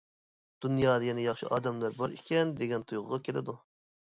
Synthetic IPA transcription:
d̪̥unjɑːd̪ɑjɛnɪjɑχʃiʔɑːd̪ɛmlˠæɾbɑɾḭkʲʰɛnd̪eɡʲɛnt̪ʰujʁʊʁɑkʲʰelɪ̰d̪u

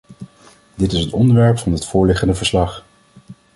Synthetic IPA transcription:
dɪtɪsɦətɔndəɹʋɛɹpfɑnətfʊːɹlɪχəndəvəɹslɑχ

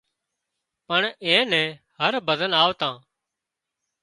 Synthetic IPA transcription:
pəɳẽːnɛ̃ːhəɾbəd̪ənaːʋt̪ãː

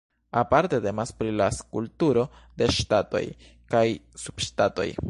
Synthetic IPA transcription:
apaɾte̞te̞maspɾilaskultuɾo̞de̞ʃtato̞̰j | kajsub̥ʃtato̞̰j

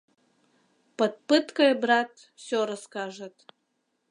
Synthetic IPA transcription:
pɐt̪̚pɨt̪kɐjbrat̪ | sʲɔɾɐskaʐɐt̪

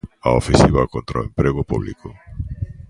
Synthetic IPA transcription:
aofẽsiβakont̪ɾaoempɾeɣʊpuβlḭko

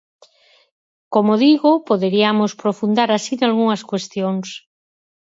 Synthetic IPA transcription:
komoðiɣopoðeɾiamospɾofund̪aɾasinalɣuŋɐskwest̪joŋs

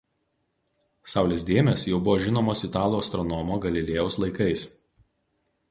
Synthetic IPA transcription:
sɑˑʊlʲeːs̬ʲd̪ʲeːmʲesjɛʊbʊʋoːʒʲɪnoːmoːsɪt̪ɑːlˠuːɐst̪ɾɔnɔmoːɡɐlʲɪlʲeːjɛʊslˠɐɪkɐɪs

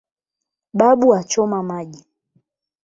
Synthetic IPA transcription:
ɓaɓuat͡ʃɔmamaʄi

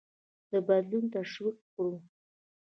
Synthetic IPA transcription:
d̪̥əbad̪lunt̪aʃwik̚kɽu

